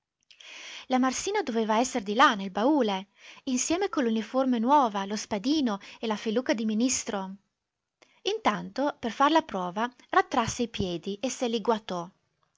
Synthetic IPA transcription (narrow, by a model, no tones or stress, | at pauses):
lamarsiːnad̪oveːvaɛsːeɾd̪ilanːelbauːle | insjɛːmekolːuniformenwɔːvalospad̪iːnoelafeluːkad̪iminist̪ɾo | int̪ant̪operfarlapɾɔːvarat̪ːɾasːeipjɛːd̪iʔeseliɡwat̪ɔ